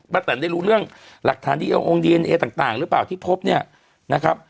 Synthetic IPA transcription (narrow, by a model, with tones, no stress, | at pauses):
ba˦˧˩t̪ːa˩˦ndaː˥˩jɾuː˦˥ɾɯ˥˩əŋla˨˩k̚t̪ʰaː˩˦nt̪ʰiː˥˩ʔa̰˧ʔo˧ŋdiː˧ʔe˧nʔeː˧t̪aː˨˩ŋt̪aː˨˩ŋɾɯ˦˥paː˨˩wt̪ʰiː˥˩pʰo˦˥p̚ni˥˩ɐ | na˦˥kʰɾa˦˥p̚